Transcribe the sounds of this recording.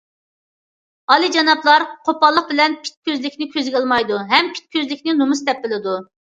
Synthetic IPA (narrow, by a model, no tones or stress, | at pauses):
ɑlˠɨd͡ʒɑnɑplˠɑɾqʰopɑlˠːəq̚bɪlɛnpʰi̥t̪̚kʲʰøzlɪkʲnɪkʲʰøzɡʲɛlˠmɑjd̪uɦɛmpʰi̥t̪̚kʲøzlɪkʲnɪnumust̪ɛp̚bɪlɪd̪u